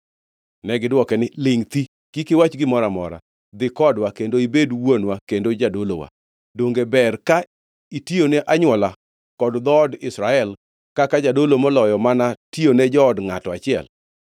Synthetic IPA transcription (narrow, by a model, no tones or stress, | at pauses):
nɛɡɪdwɔkɛnɪlɪŋt̪i | kikɪwat͡ʃɡɪmɔɾamɔ̰ɾa̰ | d̪ɪkɔdwakendoibedwonwakendod͡ʒadolo̰wa̰ | doŋɡebɛrka | itioneʔaɲwɔla | kɔdd̪ɔdɪsɾaɛl | kakad͡ʒadolomɔlɔjɔmanationed͡ʒɔːdŋatɔat͡ʃɪɛ̰l